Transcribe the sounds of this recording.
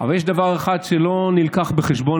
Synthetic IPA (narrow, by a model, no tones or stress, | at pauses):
a̰valjɛʃd̪avaʁeχad̪ʃelo̞nilkaχbeχeʃbo̞